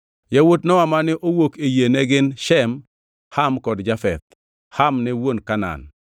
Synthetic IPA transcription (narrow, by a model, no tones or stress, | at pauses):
jawotnɔwamanɪʔowokejenɛɡɪnʃɛm | hamkɔdd͡ʒafɛt̪̚ | hamnɛwonkana̰n